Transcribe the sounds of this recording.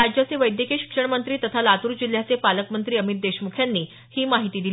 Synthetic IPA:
ad͡ʑjat͡seʋəjd̪jəkeɕi̥kʂəɳmənt̪ɾiːt̪ət̪ʰalat̪uːɾd͡ʑil̤jat͡sepaləkmənt̪ɾiːəmit̪̚d̪eɕmukʰjanːiː | hiːmaɦit̪iːd̪il

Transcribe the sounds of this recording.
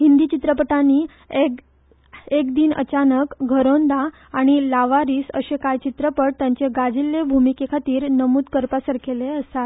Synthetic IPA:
hind̪iːt͡ɕit̪ɾəpəʈaniː | e | ekd̪iːnʔə̰t͡ɕanəkɡʱəɾond̪a | aɽ̃ilaʋaɾiːsə̰ɕekajt͡ɕit̪ɾəpəɽt̪jaɲt͡ɕeɡad͡zilːebʱumikekʰat̪iːɾnəmuːd̪kəɾpasəɾkʰeleəst̪at̪

